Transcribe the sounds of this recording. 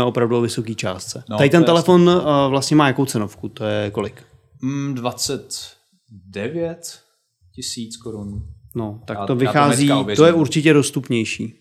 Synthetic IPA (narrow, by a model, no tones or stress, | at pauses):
ɛʔo̞pɾavduovɪso̞kiːt͡ʃa̰ːst̪t͡sɛnajɪt̪ɛnt̪ɛlɛfo̞nvlast̪ɲɛmaːjakowt͡sɛno̞fkut̪o̞jɛko̞lɪk | dvat͡sɛt̪ | dɛvjɛt̪ | cɪsiːt͡skoɾunno̞t̪akkt̪ovɪxaːziːt̪ojɛuɾt͡ʃɪcɛdo̞st̪upɲɛjʃiː